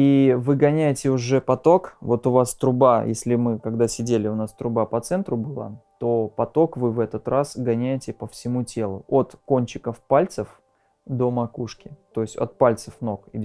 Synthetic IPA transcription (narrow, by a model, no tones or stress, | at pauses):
ivɨɡɐnʲæjɪtʲɪʊʐɛpɐt̪o̞kvo̞t̪ʊvast̪ɾʊbajesʲlʲɪmɨkɐɡd̪asʲɪdʲelʲɪʊnast̪ɾʊbapɐt̪sɛnt̪ɾʊbɨlˠa̰t̪o̞pɐt̪o̞kvɨvɛt̪ət̪ɾasɡɐnʲæjɪtʲɪpəfsʲɪmutʲe̞lˠʊ̰ot̪ko̞nʲt͡ɕɪkəfpalʲt̪səf | d̪o̞mɐkuʂkʲɪt̪o̞ɪsʲtʲo̰t̪̚palʲt̪səfno̞kɪ̰